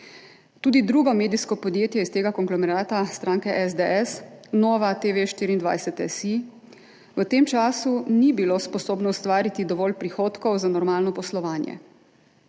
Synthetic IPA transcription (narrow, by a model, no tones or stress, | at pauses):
t̪uːd̪id̪ɾuːɡɔmeːd̪iskɔpɔd̪jeːt̪jɛist̪eːɡakɔŋɡlɔmɛɾaːt̪ast̪ɾaːŋkɛʔɛzd̪eɛsnɔːʋat̪eʋeʃt̪iːɾind̪ʋa̰jsɛt̪ɛsi | ʋət̪eːmt͡ʃaːsunibilospɔsoːbnɔwst̪ʋaːɾit̪id̪ɔʋɔːlpɾixoːt̪kɔwzanɔɾmaːlnɔpɔslɔʋaːnjɛ̰